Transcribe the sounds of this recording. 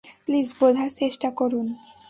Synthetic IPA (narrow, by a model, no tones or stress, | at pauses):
plisbod̪ʱaɾt͡ɕeʃʈakoɾun